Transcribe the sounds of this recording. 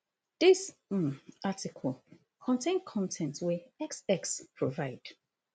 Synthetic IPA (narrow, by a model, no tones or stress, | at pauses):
d̥is̩ | atikʰɔl | kʰɔ̃ntʰẽnkʰɔ̃ntʰɛ̃ntwɛɛksɛkspʰɹovaɪd̥